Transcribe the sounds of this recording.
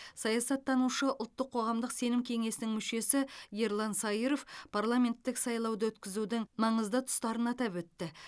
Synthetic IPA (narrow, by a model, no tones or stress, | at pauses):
sɑjɑsɑt̪ʰːɑnuʃəʔʊlˠt̪ːəqʰːo̞ʁɑmd̪əqse̞nɪmkʲʰe̞ŋe̞sɪnɪŋmʏʃe̞sɪje̞ɾlˠɑnsɑiɾo̞fpʰarlˠamʲe̞nt̪ːɪksɑjlˠɑwd̪əwɵt̪kʲɪzud̪ɪŋmɑɴəzd̪ət̪ʰʊ̥st̪ɑɾənɑt̪ɑpwɵt̪ːɪ